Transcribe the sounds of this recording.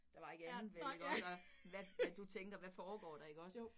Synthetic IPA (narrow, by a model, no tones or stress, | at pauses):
d̥ɑ̈ʋɑ̈e̝ɡ̥ænð̩ˠʋeeɡ̥ɒsɒ | ʋææd̥ut͡sʰeŋɡ̥ɐʋæfɒːɡ̥ɒ̰ːd̥ɑ̈e̝ɡ̥əɒ̽s